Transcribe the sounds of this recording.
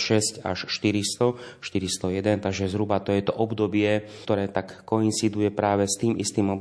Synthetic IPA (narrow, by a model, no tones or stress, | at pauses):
ʃɛsca̰ʃʃt̪iɾist̪ɔʃt̪iɾist̪ɔjɛd̪ɛnt̪aɡʒɛzɦɾubat̪ɔjɛt̪ɔʔɔbd̪ɔbɪɛ | t̪ɔɾɛːt̪akːɔint͡sid̪ujɛpɾaːʋɛst̪iːmist̪iːmɔb